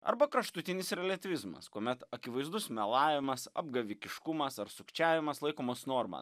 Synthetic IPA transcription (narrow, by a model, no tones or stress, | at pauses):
ɐ̰ɾbɐkɾɐʃt̪ʊt̪ʲɪnʲɪsɪɾlʲɛt̪ʲʋʲɪzmɐ̰skuɔmʲɛt̪ɐkʲɪʋɐɪzd̪ʊsmʲɛlˠɑːʋʲɪmɐsɐ̰bɡɐʋʲɪkʲɪʃkʊmɐsɐɾsʊkt͡ʃʲæːʋʲɪmɐslˠɐɪkoːmoːsnoːɾmɐ̰